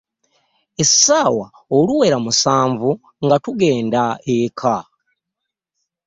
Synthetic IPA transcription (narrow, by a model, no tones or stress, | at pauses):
essaːwa | oluwe̞ɾamusaːɱvu | ŋɡatuɡe̞ːndaekʰa